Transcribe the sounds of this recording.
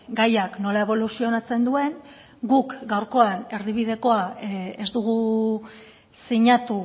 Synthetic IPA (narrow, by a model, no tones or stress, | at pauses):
ɡajakno̞lae̞β̞o̞lusio̞nat͡se̞nd̪ue̞ŋ | ɡukɡawɾko̞ane̞ɾðiβ̞iðe̞ko̞ae̞zd̪uɣ̞u | siɲat̪u